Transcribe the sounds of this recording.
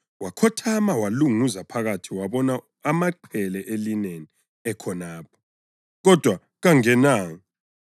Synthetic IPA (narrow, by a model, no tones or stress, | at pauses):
wakʰɔtʰamawaluŋuuzapʰaɣatʰiwaβɔna | amaǃʰɛlɛʔelineni | ɛkʰɔnaːp̚ʰɔ̥ | ɣɔd̥ʱwa | ɣaŋɛnaːŋ